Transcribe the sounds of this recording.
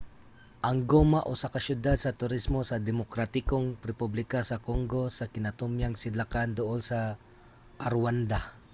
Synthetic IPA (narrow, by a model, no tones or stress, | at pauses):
ʔɐŋɡomaʔosakaʃjʊd̪ad̪̚sɐt̪ʊɾɪsmo̞sɐd̪ɛmokɾat̪ɪkoŋɾɛpublɪkasɐkoŋɡo̞sɐkɪnɐt̪ʊmjaŋsɪlakand̪ʊʔolsɐ | ʔɐɾwand̪a